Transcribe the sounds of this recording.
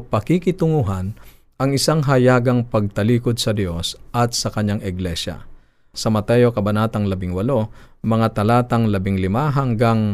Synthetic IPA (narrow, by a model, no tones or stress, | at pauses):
pɐkikɪt̪ʊŋuɦɐn | ɐŋɪsaŋɦɐjaːɡɐŋpɐɡ̚t̪ɐliːkod̪̚sɐd̪jo̞sʔɐt̪sɐkɐɲːaŋɪɡlɛʃɐ̰ | sɐmɐt̪ɛjokɐbɐnaːt̪ɐŋlɐbɪŋwɐlo̞mɐŋat̪ɐlaːt̪ɐŋlɐbɪŋlɪmaɦɐŋɡaŋ